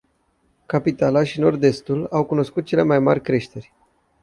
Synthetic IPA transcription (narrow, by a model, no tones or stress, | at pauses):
kapit̪alaʃino̞rd̪e̞st̪ulawkuno̞skut̪̚t͡ʃe̞le̞majma̰rʲkɾe̞ʃt̪e̞rʲ